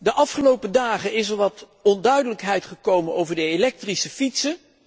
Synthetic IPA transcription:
dəʔɑfχəlowpədaːχənɪsəɹʋɑt | ɔndœɥdələkɦɛjtχəkowmənowvəɹdəelɛk̚trisəfitsə

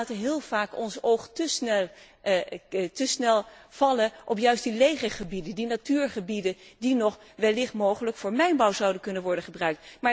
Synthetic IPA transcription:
təɦɪːlˠv̥aːkɔnsowχtəsnɛl | təsnɛlˠv̥ɑlənʔɔpjœɥstdilejχəχəbidəndinatyːɹχəbidədinɔχ | ʋɛlɪχtmowχələkfʊːɹmɛjnbɑwzɑwdənkɵnənʋɔɹdəχəbrœɥk̚tmaːɹ

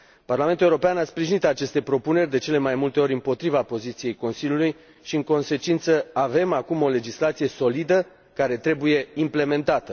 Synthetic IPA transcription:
parlame̞nt̪ulewuɾo̞peanaspɾiʒinit̪at͡ʃe̞st̪e̞pɾo̞pune̞rʲd̪e̞t͡ʃe̞le̞majmult̪e̞o̞ɾʲɨmpo̞t̪ɾivapo̞zit̪sije̞jko̞nsiljuluj | ʃiɨŋko̞nse̞t͡ʃint̪səave̞makumo̞le̞d͡ʒislat̪sije̞so̞lid̪ə | kaɾe̞t̪ɾe̞buje̞imple̞me̞nt̪at̪ə

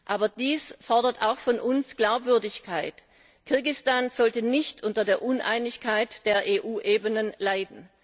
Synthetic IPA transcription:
ʔaːbɐdiːsfɔɐdɐta̰ʊxfɔnʔʊnsɡ̥laʊpv̥ʏɐdɪçkʰaɪt | kʰɪɐɡɪstaːnz̥ɔltənɪçtʔʊntɐdeːɐʔʊnʔa̰ɪnɪçkʰaɪtd̥eːɐʔeːʔuːʔeːbənənlaɪdn̩

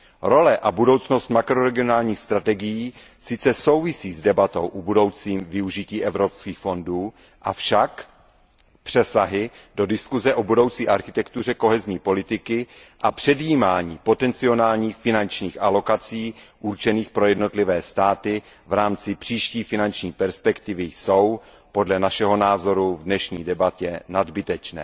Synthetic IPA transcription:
ɾo̞lɛʔabudo̞wt͡sno̞st̪makɾo̞ɾɛɡɪo̞naːlɲiːxst̪ɾat̪ɛɡɪjiː | sɪt͡sɛso̞wvɪsiːzdɛbat̪o̞̰wʔubudo̞wt͡siːmvɪuʒɪciːʔɛvɾopskiːxfo̞nduː | ʔafʃak | pr̝̥ɛsaɦɪdo̞dɪskuzɛʔobudo̞wt͡siːʔaɾxɪt̪ɛkt̪ur̝ɛko̞ɦɛzɲiːpo̞lɪt̪ɪkɪʔapr̥ɛdjiːmaːɲiːpo̞t̪ɛnt͡sɪo̞naːlɲiːxfɪnant͡ʃɲiːxʔalo̞kat͡siːʔuɾt͡ʃɛniːxpɾo̞jɛdno̞t̪lɪvɛːst̪aːt̪ɪ | vɾaːmt͡sɪpr̥iːʃciːfɪnant͡ʃɲiːpɛɾspɛkt̪ɪvɪjso̞w | po̞dlɛnaʃɛɦo̞naːzo̞ɾuvdnɛʃɲiːdɛbat̪ɛnadbɪt̪ɛt͡ʃnɛ̰ː

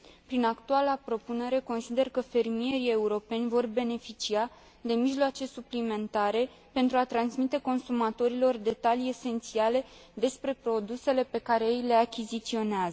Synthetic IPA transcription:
pɾinakt̪ualapɾo̞pune̞ɾe̞ko̞nsid̪e̞rkəfe̞rmie̞ɾie̞uɾo̞pe̞nʲvo̞rbe̞ne̞fit͡ʃia | d̪e̞miʒloat͡ʃe̞suplime̞nt̪aɾe̞ | pe̞nt̪ɾuat̪ɾansmit̪e̞ko̞nsumat̪o̞ɾilo̞rd̪e̞t̪alie̞se̞nt̪siale̞d̪e̞spɾe̞pɾo̞d̪use̞le̞pe̞kaɾeejle̞akʲizit̪sio̞neazə

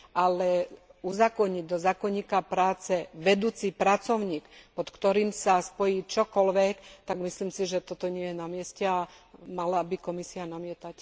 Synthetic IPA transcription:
ʔalɛuzakɔɲiɟ̚d̪ɔzaːkɔɲiːkapɾaːt͡sɛʋɛd̪uːt͡sipɾat͡sɔʊɲiːkpɔt̪kt̪ɔɾiːmsaspɔjiːt͡ʃɔkɔlʋɛkt̪aɡmisliːmsiʒɛt̪ɔt̪ɔɲɪɛjɛnamɪɛscɛamalabikɔmisianamɪɛt̪ac

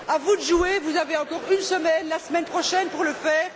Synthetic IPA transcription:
avud̪əʒuevuzaveɑ̃kɔʁynsəmɛnlasmɛnpχɔʃɛnpuʁləfɛːʁ

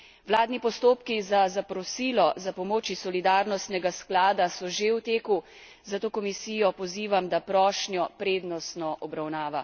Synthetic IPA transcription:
wlaːd̪nipɔst̪oːpkizazapɾɔsiːlɔzapɔmoːt͡ʃisɔlid̪aːɾnɔst̪nɛɡasklaːd̪asɔʒewt̪eːku | zat̪oːkɔmisiːjɔpɔziːʋamd̪apɾɔːʃnjɔpɾeːd̪nɔst̪nɔʔɔbɾawnaːʋa

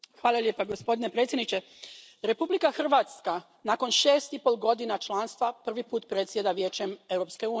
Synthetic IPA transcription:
xʋaːlˠalje̞ːpaɡospo̞d̪inepɾet̪sjed̪nit͡ɕe̞ | ɾe̞publikaxr̩ʋaːt̪ska | nako̞nʃeːst̪ipolˠɡo̞d̪inat͡ʃlˠaːnst̪ʋapr̩ʋipuːt̪pɾe̞t̪sje̞d̪aʋjeːt͡ɕe̞me̞wɾo̞pskeuːn

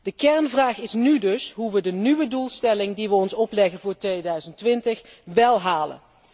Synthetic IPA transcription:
d̥əkɛɹnvraːχɪsnydɵsɦuʋədənyʋədulˠstɛlɪŋdiʋəɔnsɔplɛɣənvʊːɹtʋejdœɥzəntʋɪntəχ | ʋɛlˠɦaːlə̰n

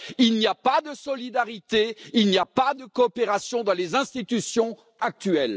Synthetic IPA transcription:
ilnijapad̪əsɔlid̪aʁit̪eilniapad̪əkɔːpeʁasjɔ̃d̪ɑ̃lezɛ̃st̪it̪ysjɔ̃ | ak̚t̪ɥɛl

